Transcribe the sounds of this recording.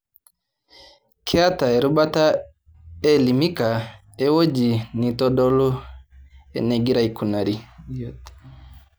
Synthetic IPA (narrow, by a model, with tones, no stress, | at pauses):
kʰɛa˦ta˨ɛ˨ɾu˦ɓa˦ta˦ | ɛ˦li˨mi˦ka˨ | ɛ˦wo˦d͡ʒi˨ni˨tɔ˦ɗɔ˦lɔ˦ | ɛ̰˨nɛ˨ɡi˦ɾai˨ku˨na˨ɾi˦